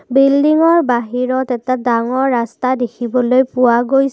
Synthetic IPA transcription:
bildiŋɔɹbaɦiɹɔtɛtadaŋɔɹːastadekʰibɔlojpʊwaɡoj

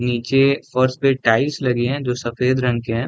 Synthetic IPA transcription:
niːt͡ʃefɐɾspẽʈaːɪlslɐɡeɦɛ̃ːd͡ʒoːsɐfeːd̪ɾɐ̃ŋkeɦɛ̃ː

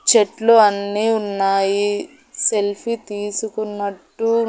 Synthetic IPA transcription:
t͡ʃeʈluɐnːiːunːaːji | se̞lpʰit̪iːsukunːɐʈːu

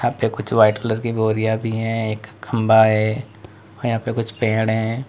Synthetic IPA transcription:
jɦãːpekʊt͡ʃʰʋaːɪʈkləɾkiboːɾijabʱiɦɛ̃ːeːkːɐ̃mbaɦɛː | ɔːɾjɐɦãːpekʊt͡ʃʰpẽːɽɦɛ̃ː

